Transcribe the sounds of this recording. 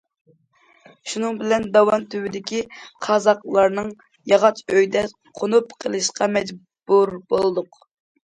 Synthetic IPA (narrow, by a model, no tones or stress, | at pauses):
ʃunɨŋbɪlɛnd̪ɑwɑnt̪ʰywɪd̪ɪkʲiqʰɑzɑqlˠɑɾnɨŋ | jɑʁɑt͡ʃʰøjd̪ɛ | qʰonupqʰəlˠɨʃqɑmɛd͡ʒ | buɾbolˠɨd̪ʊq